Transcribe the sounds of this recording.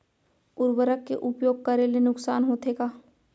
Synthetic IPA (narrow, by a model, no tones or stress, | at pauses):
ʊɾwəɾəkːḛʔʊpjoːɡ̚kɐɾelenʊksaːnɦoːt̪eɡaː